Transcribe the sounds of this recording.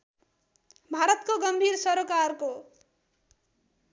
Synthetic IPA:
bʱaɾʌt̪̚koɡʌmbʱiɾsʌɾokarko

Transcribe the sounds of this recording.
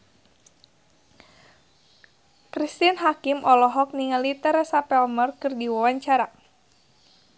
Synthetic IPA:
kɾist̪inɦakimʔɔlɔɦɔk̚niŋalit̪əɾɛsapɛlmərkɨrdiwawaɲt͡ʃaɾa

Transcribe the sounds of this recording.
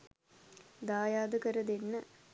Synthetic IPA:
d̪aːjaːd̪əkɐɾɐd̪enːə

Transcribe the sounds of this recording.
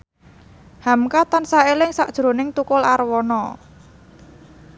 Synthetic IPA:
hamkat̪ansaelɪŋsaʔd̥ʒ̥ɾo̤nɪŋt̪ukʊlarwɔnɔ

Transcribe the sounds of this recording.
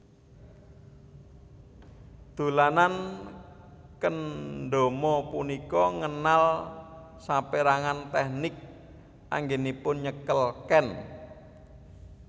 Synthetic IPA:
d̪̥o̤lanan | kənɖo̤mɔpunikɔŋənal | sampeɾaŋant̪ɛhnɪk̚ | ʔa̰ŋɡenipʊnɲəkəlkɛn

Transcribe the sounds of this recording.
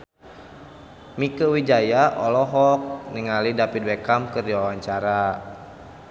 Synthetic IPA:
mikəwid͡ʒajaʔɔlɔɦɔk̚niŋalidapit̪̚wɛkamkɨrdiwawaɲt͡ʃaɾa

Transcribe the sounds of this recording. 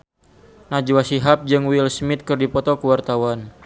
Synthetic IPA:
nad͡ʒuwasiɦap̚d͡ʒɨŋwilsmɪt̪̚kɨrdipɔt̪ɔkəwart̪awan

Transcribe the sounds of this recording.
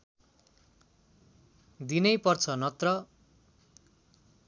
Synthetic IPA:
d̪inʌjpʌrt͡sʰʌnʌt̪rʌ

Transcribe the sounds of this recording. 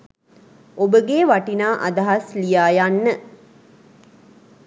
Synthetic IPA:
ʔobəɡeːʋaʈinaːʔa̰d̪aɦaslijaːjanːə

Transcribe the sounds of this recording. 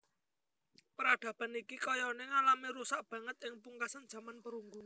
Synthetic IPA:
pəɾaɖ̪̥ä̤b̥a̤nikikɔjɔneŋalamiɾusaʔb̥ä̤ŋət̪̚ɪŋpuŋkasand̥ʒ̥ä̤manpəɾuŋɡun

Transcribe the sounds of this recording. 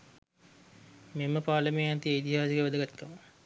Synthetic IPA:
meməpaːlɐmejɐt̪iit̪iɦaːsiɡeʋɐd̪əɡat̪kɐmə

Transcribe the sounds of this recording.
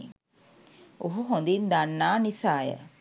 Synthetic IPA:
oɦuɦond̪ind̪anːaːnisaːjə̰

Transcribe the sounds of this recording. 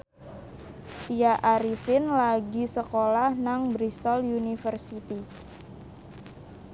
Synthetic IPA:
t̪iaʔaɾifɪnlaɡisəkolahnaŋbɾist̪ɔljunifərsit̪i

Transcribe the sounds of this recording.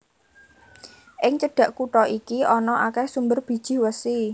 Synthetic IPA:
ʔɪŋt͡ʃəɖ̥ä̤ʔkuʈɔikiʔɔnɔʔakɛhsumbərb̥i̤̥ʒ̥ɪ̤hwəsi

